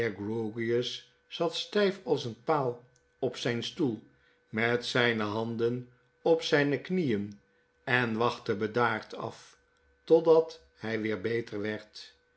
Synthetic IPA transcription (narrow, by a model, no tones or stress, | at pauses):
ɡroɡiəsː | ɑtstɛjfɑlˠsənpaːlˠ | ɔpsɛjnstulˠ | mɛtsɛjnəɦɑndən | ɔpsɛjnəknijən | ɛnʋɑχtəbədaːɹtʰɑ̰f | tɔdɑt | hɛjʋɪːɹbejtəɹʋɛɹt